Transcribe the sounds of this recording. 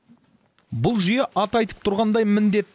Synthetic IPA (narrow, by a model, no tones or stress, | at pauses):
bʊlˠʒʏjeʔɑt̪ɑjt̪ə̥p̚t̪ʰʊɾʁɑnd̪ɑjmɪnd̪e̞t̪ː